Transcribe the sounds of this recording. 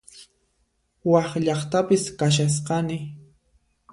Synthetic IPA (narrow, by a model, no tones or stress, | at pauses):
wɑχʎɑχt̪apɪskaʃ̬as̬qɑnɪ